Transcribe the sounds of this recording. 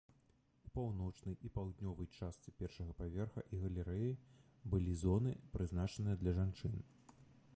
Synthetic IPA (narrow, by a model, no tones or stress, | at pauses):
upawnɔt͡ʂnɐjʔipawd̪nʲɔvɐjt͡ʂast̪sɨpʲɛrʂɐɣɐpavʲɛrxɐ̰ʔiɣɐlʲɛɾɛji | bɨlʲizɔnɨpɾɨznat͡ʂɐnɨjɐd̪lʲɐʐant͡ʂɨn